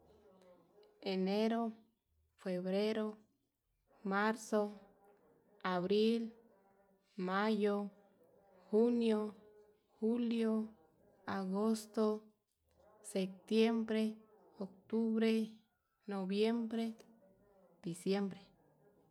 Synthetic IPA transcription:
eneɾo˦ | fe˨βɾeɾo | maɾso | aβɾi˦l | majo˦ | hunjo˦ | xuljo˦ | aɣo˦st̪o˦ | sek̚t̪je˦mbɾe˦ | ok̚t̪u˦βɾe˦ | noβje˦mbɾe˦ | d̪̥isje˦mbɾe˨

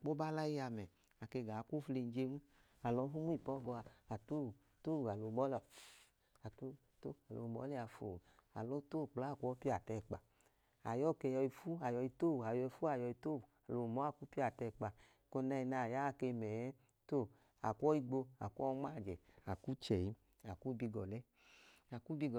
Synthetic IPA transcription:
k͡po˦ba˦la˦i˦ja˧mɛ˨ | a˨ke˧˨ɡa˨ku˦fle˧n˦d͡ʒe˧˦nu˦ | a˨lɔ˧˦ɦu˦mu˦i˦˨pɔ˦ɡɔ˧a˧a˨to˦˨ | to˦˨a˨lo˧˨mɔ˦l | a˨to˦˨to˦˨a˨lo̰˧˨mɔ̰˨˦li˦˧a˨˧fo̰˨a̰˨lo˨˦to˦˨k͡pla˨˦˨kʷɔ˦pi˦a˨tɛ˧˨k͡pa˧ | a̰˨jɔ˦˨kɛ˧jɔ˧i˧fu˦a˨jɔ˧i˧to˦˨a˨jɔ˧i˧fu˦a˨jɔ˧i˧to˦u˨a˨lo˨˧˨mɔ˨˦a˦˨ku˦pi˦a˨tɛ˧˨k͡pa˧ | ko˧na˧i˧na˧˨ja˦˧ke˧mɛ˨ɛ˦ | to˧˨ | a̰˨kʷɔ˦i˦˧ɡ͡bo˧a˨ku˦ɔ˦ŋ͡ma˦˨d͡ʒɛ˨a˨ku˦t͡ʃɛ˨i˨˧ | a˨ku˦bi˧ɡɔ˨lɛ˦ | a˨ku˦bi˧ɡɔ˨

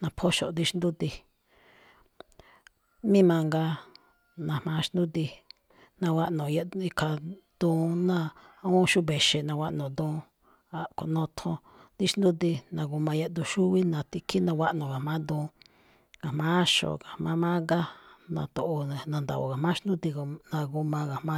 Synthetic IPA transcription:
nã˧pʰo˦ʃo̰˨d̪i˧ʃnd̪u˦t̪i˧ | mĩ˦mã˧ŋɡa˧ | nã˧˨mã˧˦˧ʃn˦d̪ũ˦t̪i˧ | nã˧wa˦ʔnõ˨je˧i˧ka˧d̪̥ũː˧nã˦˨ũ˦ʃu˦βe˨ʃe˨nã˧wʷa˧ʔnõ˨d̪ũː˧ | a˨ko̰˧˨nõ˧t̪ʰõ˧ | d̪i˦ʃnd̪ũ˦d̪i˧nã˧ɡu˧mã˧je˧˦d̪u˧ʃu˦βi˦nã˧t̪i˧kʰi˦nã˧wʷa˦ʔnõ˨ɣa˨mã˦d̪ũ˧ | ka˨mã˦ʃo̰˨ka˨mã˦mã˦ŋɡa˦nã̰˧t̪o˧ʔõ˧˨nã˧nd̪a̰˨o̰˨ka˨mã˦ʃnd̪ũ˦t̪i˧ko˧nã˧ɡu˧mã˧ɣa˨mã˦

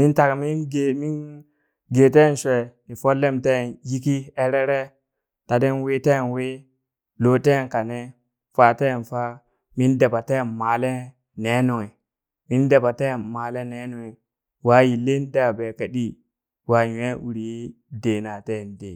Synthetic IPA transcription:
mi˦nta˨kmi˦nɡmi˦n | ɡe˨te˦˨n˨ʃʷe˨ni˨fo˦lːe˦mte˦˨nji˦ki˦e˦ɾe˦ɾe˦ | ta˨de˦nwe˦te˦˨nwe˦ | lo˦te˦˨nka˨ne˦ | fa˦te˦˨nfa˦ | mi˦nde˨ba˨te˦˨nma˨le˦ | ne˦no˨ŋe˨ | mi˦nde˨ba˨te˦˨ma˨le˦ne˦no˨ŋe˨ | wa˦ji˨le˦n˦da˨be˨ka˨ɗi˦ | wa˨we˦ʔu˨ɾi˨ji˦ | de˨na˨te˦˨ndḛ˨

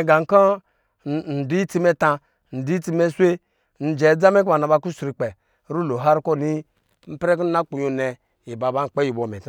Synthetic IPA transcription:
ɡa˨ŋ̩˦kɔ˦˨ | n̩˨du˦i˦ti˦me˦ta˧ | n̩˨du˦i˦ti˦me˦sʷe˦ | n̩˨d͡ʒɛ˨˦d͡za˦me˦kba˨na˨ba˧ku˦su˨ɾi˨k͡pɛ˨˦ | ɾu˦lo˨ɦa˦ɾko˦˨ni˦ | m̩˦pɾe˦k̬u˦n̩˦na˦k͡pu˨jo˨nɛ˨ | ji˨ba˨ba˦ŋ̩˨k͡pe˦ji˨bo˨me˨t

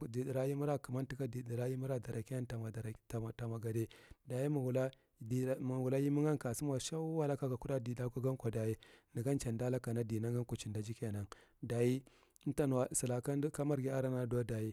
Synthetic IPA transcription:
di˨di˨ɾa˦ji˦mu˦ɾa˦ku˨ma˦n˦ti˦ka˦di˨di˨ɾa˦ji˦mu˦ɾa˦da˨ɾa˨ki˦a˦nta˨ma˨ɾta˨ma˨ɡa˨de˦da˨ji˦mu˨wu˨la˦˨˦ | m˨wu˨la˦ji˦mu˦ŋa˦ŋka˨si˦m˦a˨ʃa˦wa˦la˦ka˦ka˨ku˦ɗa˦di˨da˦ku˦ɡa˦ŋkʷa˨da˨ji˦ni˨ɡa˦nt͡ʃa˨nda˦la˦ka˨na˦di˨na˦ŋɡa˦ŋku˨t͡ʃi˨nda˨d͡ʒi˦ke˦˨na˨ŋ | da˨ji˦ | ta˦n˨wa˨si˨la˨ka˦ka˦ma˦ɾɡi˦a˦ɾa˦na˦da˦da˨ji˦

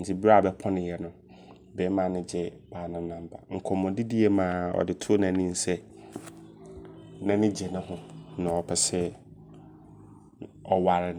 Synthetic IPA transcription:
n̩˨tʰi˨bɾa˦a˨bɛ˦pʰɔ̃˦nɪ̃˨jɛ˨nʊ̃˦ | bɛː˨˦mã˨nɪ̃˦d͡ʑɛ˦b̥aː˨nã˨˦nã˨m˦ba̰˨ŋ̩˨kʰɔ˨mʊ̃˨di˦di˦e˦mã˨ɔ̰˨dɪ˨tʰʊ˦o˦nã˨nĩ˦n̩˨sɛ˦ | nã˦nɪ̃˦d͡ʑɛ˨nʊ̃˦ɦʊ̃˦nã˨ɔ˨pʰɛ˨sɛ˦ | ɔ˦wa˨ɾɪ˦

